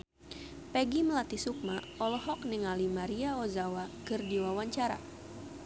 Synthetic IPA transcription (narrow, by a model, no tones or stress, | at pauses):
pɛɡiməlat̪isuk̚ma | ɔlɔɦɔkniŋalimaɾiaozawakɨrdiwawaɲt͡ʃaɾa̰